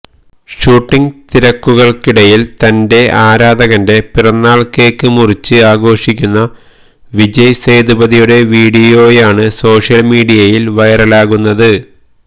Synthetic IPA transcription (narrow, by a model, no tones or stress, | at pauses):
ʂuːʈːiŋɡt̪iɾɐkːuɣɐɭkiɽɐjilt̪ɐnde̞aːɾaːd̪ɐɣɐnde̞pirɐnːaːɭke̞ːkːɨmurit͡ɕːɨaːɡo̞ːʂikʲːunːɐ | ʋid͡ʑɐjseːd̪ubɐðijuɽe̞ʋiːɽijo̞ːjaːɳɨso̞ːʂjɐlmiːɽijɐjilʋɐjɐrɐlaːɣunːɐðɨ